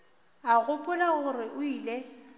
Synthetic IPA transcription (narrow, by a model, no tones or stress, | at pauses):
aɣʊpʼʊnaɣʊrɪʔʊiːle